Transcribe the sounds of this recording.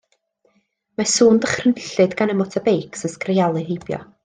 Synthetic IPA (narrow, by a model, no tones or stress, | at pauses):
masuːndəχrənɬɨdɡanəmɔtʰabejkʰsənskrejalˠɨɦejbjɔ̰